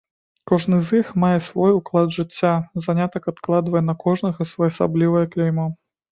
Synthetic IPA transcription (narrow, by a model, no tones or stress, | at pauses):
kɔʐnɨzixmajɛsvɔjuklˠad̪ʐɨt͡sʲːazanʲat̪ɐkat̪klˠad̪vɐjɛnɐkɔʐnɐɣɐsvɐjɐsa̰blʲivɐjɐklʲɛjmɔ